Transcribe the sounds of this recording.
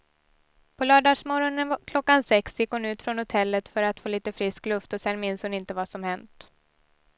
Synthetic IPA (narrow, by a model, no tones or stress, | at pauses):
pʰɔlɑːɖɑʂmɔɾɔnənkʰlɔkːansɛksjɪkːhʊnʉ̟ːt̪fɾɔnhʊt̪ʰɛlːət̪fœɾat̪foːliːt̪əfɾɪsklɵft̪ɔsɛnːmɪnshʊnɪnt̪əvasɔmhɛnt̪